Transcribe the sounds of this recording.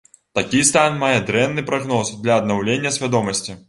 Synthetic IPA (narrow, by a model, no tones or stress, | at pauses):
t̪akʲist̪anmajɛd̪ɾɛnːɨpɾaɣnɔsd̪lʲɐːd̪̚nawlʲenʲːɐsʲvʲad̪ɔmɐsʲt͡sʲi